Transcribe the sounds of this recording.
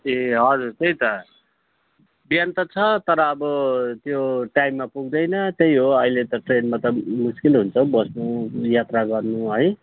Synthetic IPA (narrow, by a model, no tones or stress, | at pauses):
eɦʌd͡zurt̪ejt̪ʌ | bjʌnt̪ʌt͡sʰʌt̪ʌɾʌːbʌt̪joʈajmːapuɡd̪ʌjnʌt̪ejɦoʌilet̪ʌʈrenmat̪ʌmuskilɦunt͡sʰʌwbʌsnujat̪raɡʌrnuɦʌj